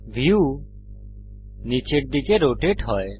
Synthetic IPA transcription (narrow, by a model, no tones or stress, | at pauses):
ʋʱiuː | niːt͡ʃeːʈ̚d̪ikeːɾoːʈeːʈɦɔːe